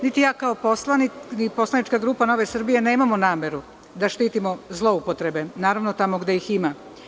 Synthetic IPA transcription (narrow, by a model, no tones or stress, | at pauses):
nit̪ijaːkao̞po̞slˠaninipo̞slˠanit͡ʃkaɡɾuːpano̞ʋesr̩bije̞ne̞ːmamo̞naːmʲe̞ɾu | d̪aʃt̪iːt̪imo̞zlˠo̞upo̞t̪ɾebe̞naːɾaʋnot̪amoɡd̪e̞jixima